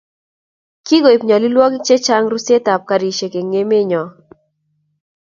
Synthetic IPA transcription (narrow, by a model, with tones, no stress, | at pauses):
ki˦ɡo˨i˨pɲa˨li˦lwɔ˦kt͡ʃe˦t͡ʃa˦ŋɾu˦se˦ta˨p̚ka˨ɾi˨ʃe˨ke˨ŋe˦me˦ɲɔ˨